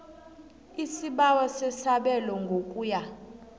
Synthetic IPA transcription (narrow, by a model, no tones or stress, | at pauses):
isiɓawasesaɓɛlɔŋɡʱokʼuja